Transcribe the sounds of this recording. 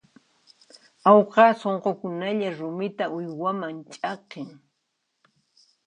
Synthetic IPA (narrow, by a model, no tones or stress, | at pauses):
awqɑsoɴqokʊnaʎaɾʊmɪt̪aʊjwamaŋt͡ʃʼɑqɪŋ